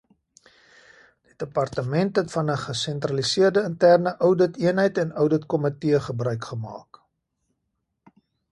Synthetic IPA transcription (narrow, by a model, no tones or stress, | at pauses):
d̥idəpɐrtəmɛntɦɛtfɐnəχəsɛntrɐlisiərdəəntærnəʔœwdətiənɦəjtɛnœwdətkɔmətiəχəbrœɥkχəmɑ̰ːk